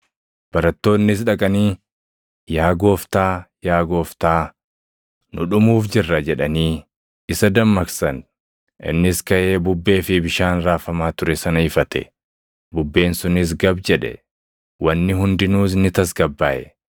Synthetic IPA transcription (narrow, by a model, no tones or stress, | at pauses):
b̥ɐɾɐt̪ːo̞ːnːɪs̬ᶑɐkʼɐniː | jaːɡo̞ːft̪aːjaːɡo̞ːft̪aː | nʊᶑʊmuːfd͡ʒɪrːɐd͡ʒɛᶑɐniː | ɪsɐd̪ɐmːɐksɐn | ʔɪ̰nːɪskɐʔe̞ːbʊbːe̞ːfɪbɪʃaːnɾaːfɐmaːt̪ʊɾɛsɐnɐɪfɐt̪ʰɛ̰ | bʊbːe̞ːnsʊnɪs̬ɡɐbd͡ʒɛᶑɛ̰ | wɐnːɪɦʊnd̪ɪnuːs̬nɪt̪ɐs̬ɡɐbːaːʔɛ